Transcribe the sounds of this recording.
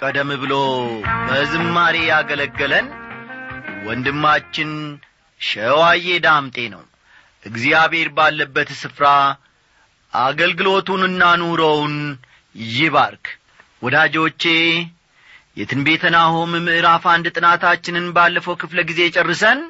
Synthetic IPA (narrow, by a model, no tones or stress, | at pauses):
kʼəd̪əmːɨβɨlobəzɨmːaɾejaɡələɡːələn | wɔnd̪ɨmːat͡ʃːɪn | ʃəwaje̞d̪amt̪ʼe̞nə̰w | ʔɨɡzijaβhe̞ɾbalːəbːət̪sɨfɾa | ʔaɡəlɡɨlo̞t̪unɨnːanoɾəwn | jɪβaɾkʰ | wɔd̪ad͡ʒo̞t͡ʃːe̞ | jɛt̪ʰɨnbe̞t̪ʰənahomɨmɨʔɨɾafand̪ɨt̪ʼɨnat̪at͡ʃːɪnɨnbalːəfəwkɨfləɡize̞t͡ʃʼɛrːɨsən